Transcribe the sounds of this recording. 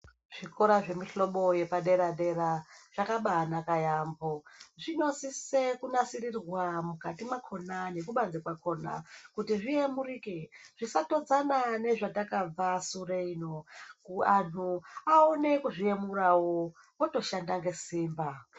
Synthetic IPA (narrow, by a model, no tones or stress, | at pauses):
ʐ̥ikoɾaʐe̞miɬo̞ɓo̞je̞paɗe̞ɾaɗe̞raʐ̥akaɓaːnakajamboʐino̞sisekunasirirwamukatimakʰo̞nane̞kuɓanzikwakʰo̞na̰kutiʐiemuɾikeʐ̥isato̞d͡zanane̞ʐatakab͡vasureinokuan̤uaone̞kuʐiemuɾawo | oto̞ʃandaŋɡe̞siːmba